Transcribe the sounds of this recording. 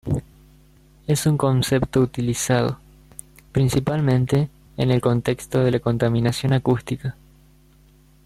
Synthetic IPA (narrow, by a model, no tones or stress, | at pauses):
esuŋko̞nsept̪o̞ut̪ilisað̞o̰ | pɾinsipalmẽnt̪e̞ː | ne̞lko̞nt̪e̞kst̪o̞ð̞elako̞nt̪amĩnasjo̞nakust̪ika